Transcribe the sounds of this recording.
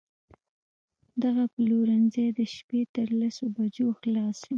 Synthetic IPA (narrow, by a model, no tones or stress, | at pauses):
d̪aɣapəloɾanzejd̪əʃpet̪əɾlasobad͡ʒoxlɑsi